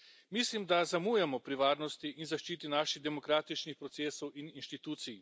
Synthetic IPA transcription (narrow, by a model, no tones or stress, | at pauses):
mislimd̪azamuːjɛmɔpɾiʋaːɾnɔst̪iʔinzaʃt͡ʃiːt̪inaːʃiɣd̪ɛmɔkɾaːt̪it͡ʃnixpɾɔt̪seːsowʔininʃt̪it̪uːt̪sij